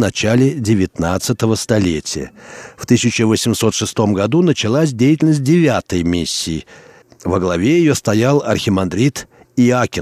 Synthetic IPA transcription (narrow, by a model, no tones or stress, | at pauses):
nɐt͡ɕalʲɪdʲɪvʲɪt̪nat̪sət̪əvəst̪ɐlʲetʲɪjə̰ft̪ɨsʲɪt͡ɕəvəsʲɪmso̞t̪ʂɨst̪o̞mɡɐd̪unət͡ɕɪlˠasʲdʲejtʲɪlʲnəsʲt̚ʲdʲɪvʲat̪əjmʲisʲːiː | vəɡlˠɐvʲejɪjo̞st̪ɐjalˠɐrxʲɪmɐnd̪ɾʲit̪ | iakʲɪ